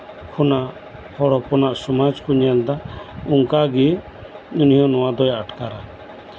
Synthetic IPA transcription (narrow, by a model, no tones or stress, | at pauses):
kʰunaʔ | hɔɽɔpɔnaʔsɔmad͡ʒkuɲɛld̪auŋkaɡi | unijɔnɔwad̪ɔjaʈkaɾa